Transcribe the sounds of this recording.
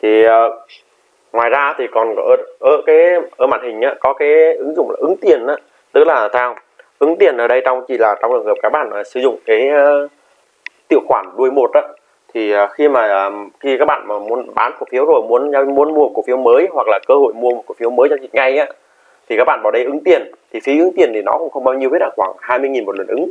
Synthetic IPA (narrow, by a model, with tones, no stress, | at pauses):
t̪ʰi˨˩ʔəː˨˩ | ŋwaː˨˩jzaː˧˦˧t̪ʰi˨˩kɔ˨˩n˧˩ʔəː˧˩kaː˨˦jʔəː˧˩maː˧˨t̚hï̟˨˩ʔaː˨˦kɔ˨˦kaː˨˦jʔɨ˨˦ŋzʊ̰˧˨ŋ͡mla̰ː˨˩ʔɨ˨˦ŋt̪i˨˩ənʔaː˨˦ | t̪ɨ˦˥k̚laː˨˩t̪ʰɛː˧w | ʔɨ˨˦ŋt̪i˨˩ənʔəː˨˧˩ɗə˧jt͡ɕɔ˧wŋ͡mt͡ɕi˧˩laː˨˩t͡ɕɔ˧wŋ͡mlɨ˨˩ŋəː˨˩p̚kaː˦˥k̚ɓa̰ː˧˨nʔəː˨˩sɨ˧˩zʊ̰˧˨ŋ͡mkaː˨˦jəː˧ | t̪ḭ˧˨əwxwaː˧˩nɗu˧əjmo˨˩t̚ʔaː˨˧˦ | t̪ʰi˨˩əː˨˩xi˧maː˨˩ʔəː˨˩xi˧kaː˦˥k̚ɓa̰ː˧˨nmaː˨˩mu˨˧ənɓaː˨˦nku˧˩fi˨˦əwzo˨˩jmu˨˦˥ənzaː˧mu˧˦ənmu˧ə˧˨ku˧˩fi˨˦əwməː˨˦jhwa˨˩k̚laː˨˩kəː˧ho̰˧˨jmu˧əm˨˩t̚ku˧˩fi˨˦əwməː˨˦jt͡ɕɔ˧zi˨˩t̚ŋa˨˧˩jʔaː˨˦ | t̪ʰi˨˩kaː˦˥k̚ɓa̰ː˧˨ɓaː˧˨˩ɗə˧jʔɨ˨˦ŋt̪i˨˩ənt̪ʰi˨˩fi˨˦ʔɨ˨˦ŋt̪i˨˩ənt̪ʰi˨˩nɔ̰˨˦kʊ̰˧˥ŋ͡mxə˧ŋ͡mɓaː˧wɲi˧e˦˥ɗaː˧˩xwaː˧˩ŋhaː˧jmɨ˧əjŋi˨˩nmo˨˩t̚lə˨˩nʔɨ˨˦ŋ